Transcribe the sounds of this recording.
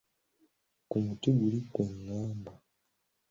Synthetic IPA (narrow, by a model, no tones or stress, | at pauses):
kumutiɡulikweŋːaːmbo